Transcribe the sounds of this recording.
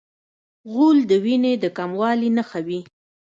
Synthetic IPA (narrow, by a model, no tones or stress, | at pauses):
ɣuld̪əwined̪əkamwɑlinaxawi